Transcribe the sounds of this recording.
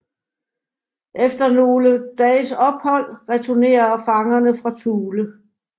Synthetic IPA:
ʔefd̥ɐno̝ːləd̥ɛ̰ːsɒ̽b̥hɒ̽l̰ʁɛt͡sʰone̝̰ːɐfɑ̈ŋɐnəfʁɑ̈t͡sʰuːlə

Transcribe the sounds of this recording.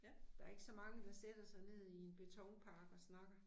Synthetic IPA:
d̥ɑ̈æɐe̝ɡ̥sɒ̽mɑ̈ŋəd̥ɑ̈sed̥ɐsɑ̈ɪne̝ð̞̰ˠie̝nb̥e̝t͡sʰɒʊŋpʰɑ̈ːɡ̥ɒ̽snɑ̈ɡ̥ɐ

